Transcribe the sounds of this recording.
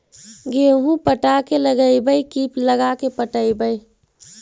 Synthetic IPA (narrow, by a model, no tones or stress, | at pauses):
ɡeɦũpəʈakeləɡəjbəikipləɡakepəʈəibəj